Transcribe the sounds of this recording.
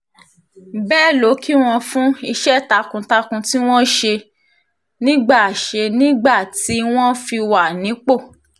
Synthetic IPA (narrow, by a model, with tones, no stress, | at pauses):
bɛː˦˨lo˨˦kʰi˦w̃ɔ̃˧fũ˦i˧ʃɛ˦˨ta˧kũ˧ta˧kũ˧ti˦w̃ɔ̃˦ʃe˧ | nĩ˦ɡ͡ba˦˨ʃe˧nĩ˦ɡ͡ba˦˨ti˨˦w̃ɔ̃˦fi˧wa˨nĩ˨˦k͡po˦˨